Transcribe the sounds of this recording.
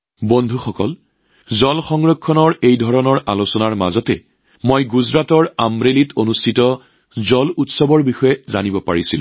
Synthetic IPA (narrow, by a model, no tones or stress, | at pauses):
bondʱuxɔkɔl | zɔlxɔŋɹɔkʰːɔnɔɹejdʱɔɹɔnɔɹalosɔnaɹma̰zɔtɛ̰ | mojɡuzɹatɔɹamɹelitonustʰitɔ | zɔlutsɔbɔɹbixɔjɛzanibɔpa̰ɹisilʊ̰̃